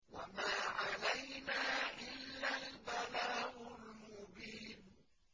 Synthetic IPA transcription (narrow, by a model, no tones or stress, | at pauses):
wa̰maːʕalajnaːʔɪlːalbalaːʔʊlmʊbiːn